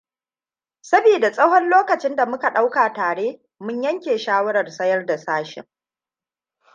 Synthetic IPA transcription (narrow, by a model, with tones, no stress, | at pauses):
sɐ˦biː˨da˨sʼɐ˦hɔ˦nloː˦kɐ˨t͡ʃɪ˦nda˨mʊ˦ka˨ɗa˦wkaː˨taː˨ɽeː˦ | mʊ˦ɲjɐ˦ŋkʲeː˨ʃaː˦wɐ˦ɽɐ˨rsɐ˦jɐ˦rda˨saː˦ʃɪ̰˨ŋ